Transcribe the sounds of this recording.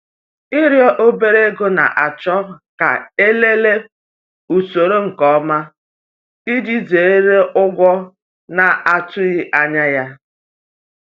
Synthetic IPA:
ɪ˦ɾjɔ˦ʔo˦be˦ɾe˦e˦ɡo˦na̰˨ʔa˨t͡ʃɔ˦ka̰˨e˦le˦le˦ | u˨so˨ɾo˦ŋ̩˨kɔ˨˦ma˦ | i˦d͡ʒi˦ze˨˦ɾe˦ʔʊ˦ɡʷɔ˦ | na˨a˨tʊ˦ɣɪ˦ʔa˦ɲa˦ja˦

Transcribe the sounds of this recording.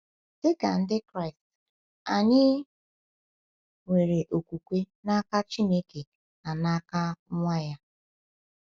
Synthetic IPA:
d̥ɪ˦ka˨n̩˦dɪ˦kɾa˦ɪ˨st | a˨ɲɪ˦ | ŋe˨ɾe˨ʔo˨kʷu˨kʷe˦ | na˦ka˦t͡ʃi˦ne˦ke˨ | na˨na˦ka˦ŋʷa˦ja˦

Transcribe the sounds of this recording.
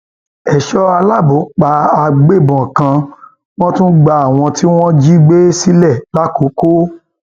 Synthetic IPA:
ɛ˨ʃɔ˦a˧la˦˨bõ˨˦k͡pa˧a˧ɡ͡be˦˨bɔ̃˨kã˧ | w̃ɔ̃˦tũ˦ɡ͡ba˧a˨w̃ɔ̃˧tʰi˦w̃ɔ̃˦d͡ʒi˦ɡ͡be˦si˦lɛ˦˨la˦ko˨˦ko˦

